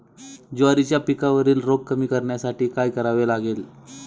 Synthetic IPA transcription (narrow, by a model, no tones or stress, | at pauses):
d͡ʑoaɾit͡ɕjapikaʋəɾiːlɾoɡ̚kəmiːkəɾɳjasaʈiːkajkəɾaʋelaɡel